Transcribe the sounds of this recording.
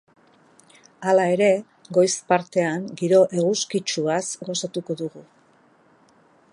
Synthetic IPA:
alae̞ɾe̞ | ɡo̞jspaɾt̪e̞aŋɡiɾo̞ʔe̞ɣuskit͡ʃuasɡo̞sat̪uko̞ðuɣu

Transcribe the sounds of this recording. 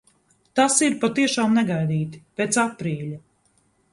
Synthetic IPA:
t̪asiɾpat̪iɛʃaːmnɛɡajd̪iːt̪i̥peːt̪sapɾiːʎa

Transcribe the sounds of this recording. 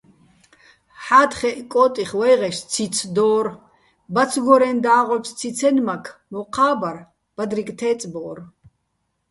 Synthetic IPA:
ħaːt̪χɛʔkʼɔːt̪ʼiχwɛjʁɛʃt͡sʰit͡sʰd̪ɔːr | bat͡sʰɡɔɾɛnd̪aːʁɔpst͡sʰit͡sʰɛnmakʰmɔqʰaːbaɾ | b̥ad̪ɾikʼt̪ʰɛːt͡sʼbɔːr

